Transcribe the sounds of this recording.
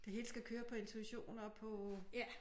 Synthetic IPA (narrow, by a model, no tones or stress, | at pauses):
d̥e̝ɦe̝ːləsɡ̥ækʰøːɐpʰɒ̽e̝nt͡sʰuiɕo̝̰ːnɒpʰɒ̽